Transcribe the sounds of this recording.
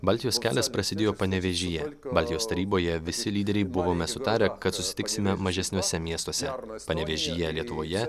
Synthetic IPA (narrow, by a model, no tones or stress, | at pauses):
bɐˑlʲt̪ʲɪjoːskʲæːlʲɛspɾɐsʲɪd̪ʲeːjoːpɐnʲɛʋʲɛʒʲɪjɛbɐːlʲt̪ʲɪjoːst̪ɐɾʲiːboːjɛʋʲɪsʲɪlʲiːd̪ʲɛɾʲɛɪbʊʋomʲɛsʊt̪ɑːɾʲɛkɐt̪sʊsʲɪ̥t̪ʲɪksʲɪmʲɛmɐʒʲɛsʲnʲuːsʲɛmʲiɛst̪oɔsʲɛpɐnʲɛʋʲɛʒʲɪjɛlʲiɛt̪ʊʋoːjɛ